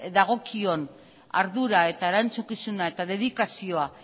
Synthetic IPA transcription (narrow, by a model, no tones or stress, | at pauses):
ðaɣ̞o̞kio̞n | a̰ɾðuɾae̞t̪aeɾant͡sukisunae̞t̪aðe̞ðikasio̞a